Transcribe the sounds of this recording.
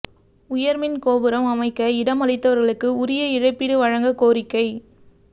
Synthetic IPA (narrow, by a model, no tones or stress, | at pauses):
ʊjɐɾmɪnkoːbɯɾɐmɐmɐɪkːɐɪɽɐmɐɭɐɪt̪ːɐʋɐɾɣɐɭɯkːɯʊɾɪjɐɪɻɐɪpːiɽɯʋɐɻɐŋɡɐkoːɾɪkːɐɪ